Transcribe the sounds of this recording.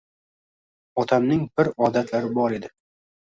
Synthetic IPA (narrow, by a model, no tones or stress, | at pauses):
ɒt̪ʰamnɪŋbɪɾɒd̪at̪laɾɪbɒɾe̞d̪ɪ